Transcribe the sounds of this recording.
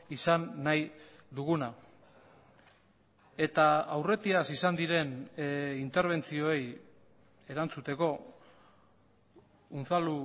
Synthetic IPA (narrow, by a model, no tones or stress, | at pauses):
isanːajd̪uɣuna | e̞t̪aawre̞t̪iasisand̪iɾe̞nint̪e̞ɾβ̞e̞nt͡sio̞ej | e̞ɾant͡sut̪e̞ko̞ | unθalu